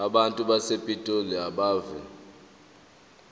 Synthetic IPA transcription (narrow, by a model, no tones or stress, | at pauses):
aɓantʼuɓasepʼitʼoliaɓaːvɛ